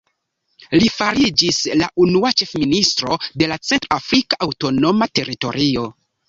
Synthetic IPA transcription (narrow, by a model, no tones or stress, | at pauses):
lifaɾid͡ʒislaʔunuat͡ʃe̞fministɾo̞de̞lat͡se̞ntɾafɾikaʔawto̞no̞mate̞ɾito̞̰ɾio